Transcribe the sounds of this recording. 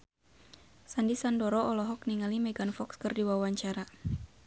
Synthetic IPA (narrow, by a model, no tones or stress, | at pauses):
sandisandɔɾɔʔɔlɔɦɔk̚niŋalimɛɡanfɔkskɨrdiwawaɲt͡ʃaɾa